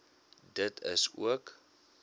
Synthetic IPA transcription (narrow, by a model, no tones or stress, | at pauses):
dətʰə̰sṵək